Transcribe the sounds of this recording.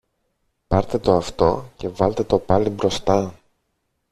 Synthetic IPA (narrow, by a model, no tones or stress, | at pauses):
pɐɾt̪e̞t̪o̞ɐft̪o̞̰ce̞vɐlt̪e̞t̪o̞pɐlibɾo̞st̪ɐ